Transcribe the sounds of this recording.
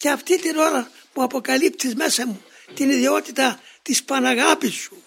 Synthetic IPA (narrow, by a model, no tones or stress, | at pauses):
ceɐft̪it̪ino̞ɾɐmuɐpo̞kɐlip̚t̪izmesɐmu | t̪iniðio̞t̪it̪ɐt̪ispɐnɐɣɐpisːu